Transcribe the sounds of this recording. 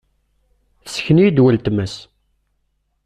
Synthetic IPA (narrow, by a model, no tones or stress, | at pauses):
θsə̥çənijid̪wəlt̪məs